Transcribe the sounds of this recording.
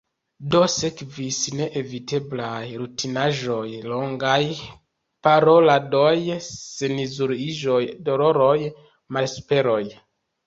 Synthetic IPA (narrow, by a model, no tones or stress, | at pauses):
do̞se̞kvisne̞ʔevite̞blajɾutinaʒo̞jlo̞ŋɡaj | paɾo̞ladojsenizuɾiʒojdolo̞ɾoj | malspe̞ɾo̞j